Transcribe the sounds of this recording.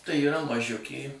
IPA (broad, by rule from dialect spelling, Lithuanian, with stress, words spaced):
tɐɪ iːˈrɐ mɐˈʒʲʊkʲeː